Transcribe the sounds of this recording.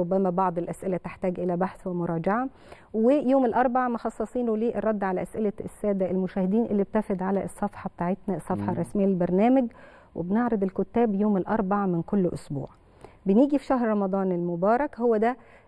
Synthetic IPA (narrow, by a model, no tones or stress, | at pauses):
ʊbːæmæbɑʕd̪ˤelʔæsʔɪlæt̪eħt̪æːɡʔɪlæbaħθwemoɾˤɑːd͡ʒaʕa | wejoːmelʔɑɾˤbaʕmɑxɑsˤːɑsˤiːnoliːʔerˤːɑd̪ːʕalæʔæsʔɪlæsːæːd̪æelmʊʃæːhɪd̪iːnʔɪlːib̚t̪ːæfed̪ʕalæʔesˤːɑfħɑbet̪aːʕet̪næsˤːɑfħɑrˤːɑsmejːæelbɑɾˤnæːmæɡ | wʔḛbneʕɾɑd̪ˤelkʊt̪ːæːbjoːmelʔɑɾˤbaʕmɪnkolːʔʊ̰sbṵːʕ | beniːɡifi̥ʃæhɾɾˤɑmɑd̪ˤɑːnelmobɑːɾˤɑkhowːæd̪æ